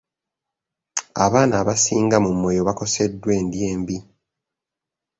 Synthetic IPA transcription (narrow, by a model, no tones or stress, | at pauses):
aβaːnaːβasiːŋɡamumwe̞jo̞βako̞se̞dːwe̞ːndjeːmbi